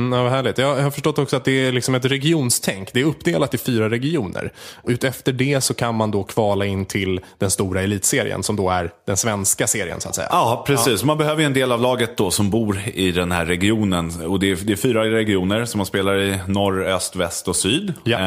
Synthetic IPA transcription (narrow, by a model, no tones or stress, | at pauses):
m̩ːavaɦæːɭɪt̪jɑːjhaɾfœʂʈɔt̪ːɔksɔat̪̚d̪ɛælɪksɔmɛt̪ɾɛɡɪuːnst̪ʰɛŋkːd̪ɛæɾɵpːd̪eːlat̪ːɪfyːɾaɾɛɡɪuːnə̰ɾʉ̟ːt̪ɛft̪əɖɛsɔkʰanmand̪ɔkʰv̥ɑːlaɪnːt̪ʰɪld̪ɛnst̪uːɾaɛliːt̪seːɾɪ̰ə̰nsɔmd̪ɔæɾd̪̥ɛnsvɛnskaseːɾɪ̰ə̰nsʊa̰t̪sɛ̰jːa̰ɑpʰɾɛsiːsɔmanbɛhøːvəɾɛnd̪eːlavlɑːɡət̪̚d̪ɔsɔmbuːɾɪd̪ɛnhæ̰ɾːɛɡɪuːnənɔd̪ɛd̪ɛːfyːɾaɾɛɡɪuːnəɾsɔmːanspeːlaɾɪnɔɾœst̪vɛst̪ɔsyːd̪ja